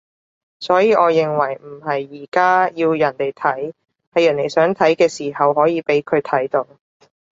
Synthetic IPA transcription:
sɔː˨˥jiː˨ʔɔː˨˧jɪ˨ŋwɐ˨˩jm̩˨˩ɦɐ˨jːiː˨˩kaː˥jiː˧wjɐ˨˩nt̪e˨˩jt̪ʰɐ˨˥j | hɐ˨jːɐ˨˩ne˨˩jsœː˨˥ŋt̪ʰɐ˨˥jkɛː˧siː˨˩hɐ˨wɦɔː˨˥jiː˨˧pe˨˥jkʰɵ˨˧ɥt̪ʰɐ˨˥jt̪o˨˧w

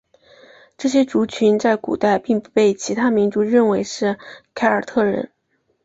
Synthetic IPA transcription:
ʈ͡ʂɤ˥˩ɕ̬jɛ˥ʈ͡ʂu˧˥t͡ɕʰy˧˥nt͡sa˥˩ɪkṵ˨˩t̪a˥˧ɪpi˥˧ŋpu˥˧pe˥˩ɪt͡ɕʰi˧˥t̪ʰa˥mi˧˥nʈ͡ʂu˧˥ɻə˥˩nwe˧˥ɪʂɻ̩˥˩kʰa˥ɪə˞˨˩t̪ʰɤ˥˩ɻə̰˧˥n

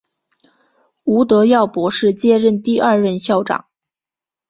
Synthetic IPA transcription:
u˧˥t̪ɤ˧˥jɑ˥˩ʊpwɔ˧˥ʂɻ̩˥˧t͡ɕjɛ˥˧ɻə˥˧nt̪i˥˧ɐ˥˧ɻə˥˧nɕjɑ˥˩ʊʈ͡ʂɑ̰˨˩˦ŋ

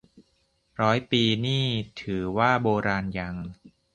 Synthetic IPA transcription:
ɾɔː˦˥jpiː˧niː˥˩t̪ʰɯː˩˦waː˥˩boː˧ɾaː˧nja˧ŋ

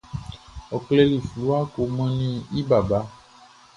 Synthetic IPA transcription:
ɔ˨kle˦li˨flu˨˦a˦ko˨mɛ̃˦nĩ˦i˦ba˨ba˦

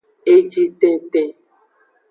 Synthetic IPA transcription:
e˦d͡ʒi˦te˨tẽ˧

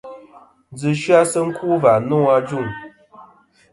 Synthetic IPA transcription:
n˦d͡zɨ˨ʃɰa˦sə˦ŋ̩˦kʰu˦va˨nɔ̃˦a˦d͡ʒu˦˨ŋ

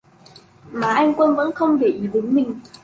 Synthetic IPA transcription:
maː˨˩ʔa˧jŋ̟kwə˧nvə̰˧˥nxə˧wŋ͡mɗe˨˧˩ʔi˨˦ɗe˨˦ŋmï˨˩ŋ̟

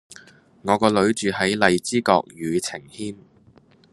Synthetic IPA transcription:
ŋɔː˨˧kɔː˧lɵ˨˧˥ɥt͡ʃyː˨hɐ˨˥jlɐ˨˧jt͡siː˥kɔː˧k̚jyː˨˧t͡sʰɪ˨˩ŋhiː˥n

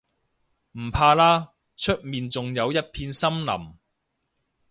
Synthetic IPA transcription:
m̩˨˩pʰaː˧laː˥ | t͡ʃʰɵ˥t̚miː˨nt͡sʊ˨ŋjɐ˨˧wjɐ˥t̚pʰiː˧nsɐ˥mlɐ̰˨˩m

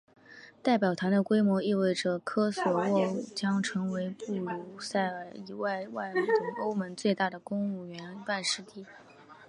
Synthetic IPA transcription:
t̪a˥˩ɪp̬jɑ˨˩ʊt̪ʰa˧˥nd̪ə˧kwe˥ɪmwɔ˧˥i˥˧we˥˩ɪʈ͡ʂə˩kʰɤ˥swɔ˨˩wɔ˥˩t͡ɕjɑ˥ŋʈ͡ʂʰɤ˧˥ŋwe˧˥ɪpu˥˩lu˧˥sa˥˩ɪ˧˩i˧˥wa˥˧ɪwa˥˩ɪʊ˧˥ŋo˥ʊmə˧˥nt͡swe˥˧ɪt̪a˥˩d̪ə˩kʊ˥ŋu˥˩ɥɛ˧˥n˥pa˥˧nʂɻ̩˥˧t̪i˥˩

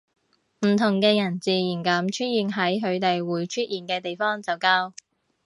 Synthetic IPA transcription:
m̩˨˩t̪ʰʊ˨˩ŋkɛː˧jɐ˨˩nt͡siː˨jiː˨˩nkɐ˨˥mt͡ʃʰɵ˥t̚jiː˨nɦɐ˨˥jɦɵ˨˧ɥt̪e˨jwuː˨˥jt͡ʃʰɵ˥t̚jiː˨˩nkɛː˧t̪e˨jfɔː˥ŋt͡sɐ˨˩wkaː˥w

